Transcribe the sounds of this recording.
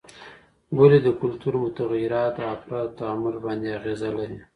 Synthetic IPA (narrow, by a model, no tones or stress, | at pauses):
waled̪əkʊlt̪uɾmʊt̪aɣjɪɾɑt̪aafɾɑd̪t̪aamʊlbɑnd̪eaɣezalawi